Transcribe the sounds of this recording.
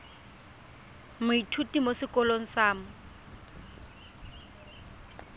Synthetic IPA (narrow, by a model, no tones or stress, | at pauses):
mʊitʰutʼimosɪkɔloŋ̩saːmʊ